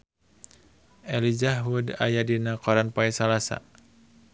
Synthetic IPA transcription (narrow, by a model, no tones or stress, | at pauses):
ʔɛlid͡ʒaɦuda̰jadinakɔɾanpaɛsalasa̰